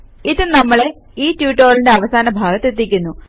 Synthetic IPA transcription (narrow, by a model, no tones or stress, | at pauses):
iðɨnɐmːɐɭe | iːtjuːʈːoːlinde̞ɐʋɐsaːnɐbʱaːɡɐt̪ːet̪̬ːikʲːunːu